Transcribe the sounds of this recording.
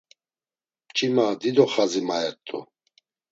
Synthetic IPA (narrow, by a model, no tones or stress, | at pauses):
t͡ʃʼimad̪id̪ɔχazimaɛt̪ʼːṵ